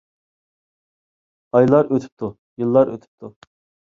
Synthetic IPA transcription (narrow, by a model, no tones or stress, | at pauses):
ɑjlˠɑɾøt̪ʰy̥p̚t̪ʰu | jɨlˠːɑɾø̰t̪ʰy̥p̚t̪ʰu